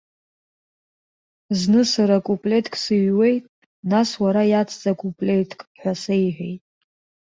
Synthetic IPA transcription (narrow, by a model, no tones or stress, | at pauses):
znɨsaɾakʼupʼlʲe̞tʰkʼsɨɥwe̞jtʼ | naswaɾajat͡sʰʼt͡sʼakʼupʼlʲe̞jtʰkʼħʷᶣasejħʷᶣejtʼ